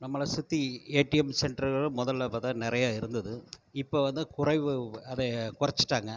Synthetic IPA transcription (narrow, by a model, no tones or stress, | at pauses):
nɐmːɐɭɐsʊt̪ːieːʈːɪjɛmsɛɳɖɾɯɣɐɭɯmʊðɐlːɐpːɐt̪ãːnɪɾɐjaːɪɾɯnd̪ɐðɯɪpːoːʋɐnd̪ɯkʊrɐɪʋɯɐðɛkʊrɐt͡ʃːɯ̥ʈːaːŋɡɐ